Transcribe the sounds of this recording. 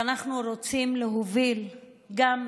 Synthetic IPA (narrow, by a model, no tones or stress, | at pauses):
anaχnuɾot͡simleɦovil | ɡam